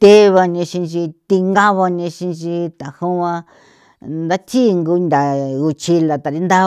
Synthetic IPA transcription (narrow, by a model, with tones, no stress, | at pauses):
t̪e˦βa˧nĩ˧ʃĩ˧t͡ʃi˧t̪i˧ŋɡa˦βa˧nĩ˧ʃĩ˧nt͡ʃi˧t̪a˨hũ˦ã˧ | nd̪a˦t̪i˦˧ŋɡu˧nd̪ʲa˨u˧t͡ʃi˧la˨t̪a˨ɾi˦˧nd̪a˦